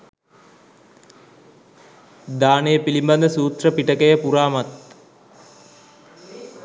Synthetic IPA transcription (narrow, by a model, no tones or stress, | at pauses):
d̪aːnejəpilimband̪əsuːt̪rəpiʈəkəjəpuɾaːmat̪̚